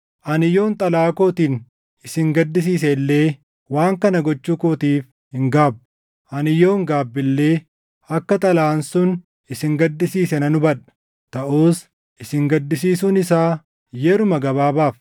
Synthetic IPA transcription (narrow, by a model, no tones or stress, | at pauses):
ʔɐnɪjo̞ːnt̪ʼɐlaːkoːt̪iːn | ɪsɪŋɡɐd̪ːɪs̬iːs̬ɛlːe̞ː | waːŋkɐnɐɡɔt͡ʃːuːkoːt̪iːf | hɪŋɡaːb | ʔɐnɪjo̞ːŋɡaːbːɪlːe̞ː | ɐkːɐt̪ʼɐlaːnsʊn | ɪsɪŋɡɐd̪ːɪsiːsɛnɐnʊbɐᶑɐ̥ | t̪ɐʔuːs | ʔɪsɪŋɡɐd̪ːɪsiːsuːnɪsaː | jɛɾʊmɐɡɐbaːbaːf